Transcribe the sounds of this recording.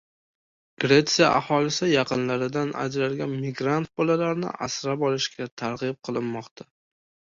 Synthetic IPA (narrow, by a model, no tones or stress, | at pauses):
ɡ̥ɾe̞t̪sijaʔa̰hɒlɪsɪjɑqʰɨnlaɾɪd̪ana̰d͡ʒɾaɾɡʲanmɪɡɾant̪̚bɒlalaɾɪnɪ̰ʔa̰sɾapɒlˠɪʃkʲʰat̪ʰaɾʁɨp̚qʰɨlˠɪnmːɒqt̪ʰa